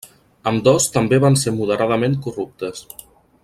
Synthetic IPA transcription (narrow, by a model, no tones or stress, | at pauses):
əmd̪ɔst̪əmbeβansemuð̞əɾaðəmeŋkurup̚t̪əs